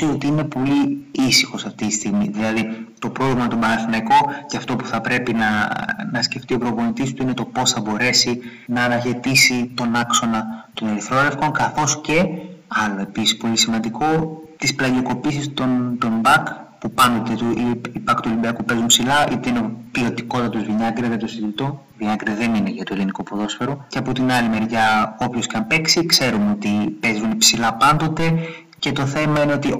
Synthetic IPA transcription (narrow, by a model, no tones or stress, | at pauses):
io̞t̪iine̞po̞liisixo̞sɐft̪it̪i̥st̪iɣmiðilɐðit̪o̞pɾo̞ɣlimɐt̪obɐnɐθnɐiko̞ceɐft̪o̞pu̥θɐpɾe̞pinɐnɐsce̞ft̪io̞pɾo̞po̞nit̪ist̪uine̞t̪o̞po̞sθɐbo̞ɾe̞si | nɐːnɐçe̞t̪isit̪o̞nɐkso̞nɐt̪o̞neɾiθɾo̞ɾe̞fko̞ŋkɐθo̞sce̞ɐlo̞e̞pisi̥spo̞lisimɐnd̪iko̞t̪isplɐnioko̞pisist̪ont̪o̞mbɐkpupɐnd̪o̞t̪et̪uʔiipɐkt̪ulimbiɐkupe̞zunpsilɐʔit̪eineopilo̞t̪iko̞t̪ɐt̪uzviɲɐɡɾiɐt̪osiðit̪o | viɲɐɡɾiðe̞nineʝɐt̪oelinikopuðo̞sfe̞ɾuceɐpo̞t̪inɐlime̞ɾʝɐo̞pço̞siçɐmpe̞ksikse̞ɾumeo̞t̪ipe̞zunpsilɐpɐnd̪o̞t̪e̞ | ce̞t̪o̞θe̞mɐine̞o̞t̪i